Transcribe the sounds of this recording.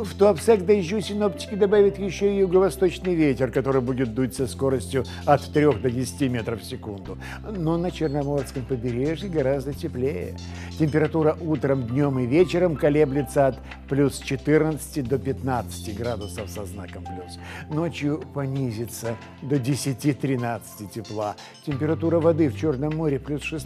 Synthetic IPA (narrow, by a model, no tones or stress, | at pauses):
ft̪oɐpsakd̪ɐʑːʊsʲɪno̞ptʲɪ̥kʲɪd̪ɐbavʲɪt̪jɪɕːoɪjʊɡəvɐst̪o̞t͡ɕnɨjvʲetʲɪrkɐt̪o̞ɾɨjbudʲɪt̪̚d̪ut̪ʲsʲəsko̞ɾəsʲtʲjʊ | ɐt̪t̪ɾʲo̞xd̪ədʲɪsʲɪ̥tʲimʲet̪ɾəfsʲɪkund̪ʊ | no̞nət͡ɕɪrnɐmo̞rskəmpəbʲɪɾʲeʐjɪɡɐɾazd̪ətʲɪplʲejə̰ | tʲɪmʲpʲɪɾɐt̪uɾəʔut̪ɾəmd̪ʲnʲomɨvʲet͡ɕɪɾəmkɐlʲeblʲɪt̪səɐt̪ | plʲust͡ɕɪt̪ɨrnət̪sɨ̥tʲɪd̪opʲɪt̪nat̪sɨ̥tʲɪɡɾad̪ʊsəfsɐznakəmplʲusnot͡ɕjʊpɐnʲizʲɪt̪sə | d̪odʲɪsʲɪtʲit̪ɾʲɪnat̪sɨ̥tʲɪtʲɪplˠa | tʲɪmʲpʲɪɾɐt̪uɾəvɐd̪ɨft͡ɕo̞rnəmːoɾʲɪplʲusʂɨs